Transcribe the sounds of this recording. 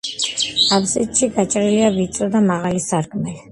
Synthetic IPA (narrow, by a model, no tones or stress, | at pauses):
absit̪ʼʃiɡat͡ʃʼɾiliavit̪sʼɔd̪amaʁalisaɾkʰmɛli